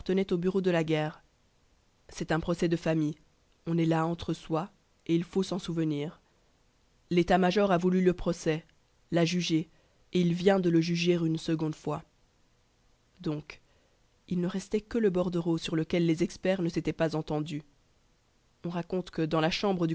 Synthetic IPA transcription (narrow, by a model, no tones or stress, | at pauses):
ʁt̪ənɛt̪obyʁod̪əlaɡʲɛːʁ | sɛt̪ɛ̃pχɔsɛd̪əfamij | ɔ̃nɛlaɑ̃t̪χəswa | eilfosɑ̃suvəniːʁ | let̪amaʒɔʁavulyləpχɔsɛ | laʒyʒe | eilvjɛ̃d̪ələʒyʒeʁynsəɡɔ̃d̪fwa | d̪ɔ̃k | ilnəʁɛst̪ɛkələbɔʁd̪əʁosyʁləkʲɛlːezɛkspɛʁnəset̪ɛpazɑ̃t̪ɑ̃d̪y | ɔ̃ʁakɔ̃t̪kəd̪ɑ̃laʃɑ̃bʁəd̪y